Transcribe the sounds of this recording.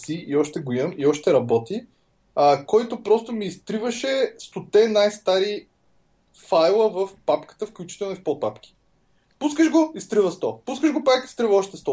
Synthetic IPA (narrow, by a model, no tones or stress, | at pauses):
siʔiɔʃt̪ɛɡoimiɔʃt̪ɛɾɐbɔt̪i | əkɔjt̪opɾɔst̪omiːst̪ɾivəʃɛst̪ot̪ɛnajst̪aɾi | fajlˠəvəfpapkə̥t̪əfklʲut͡ʃi̥t̪ɛlˠnʊifpɔt̪̚papk̟ʲi̥ | puskəʒɡoist̪ɾivəst̪ɔpuskəʒɡopaki̥st̪ɾivəɔʃt̪ɛst̪ɔ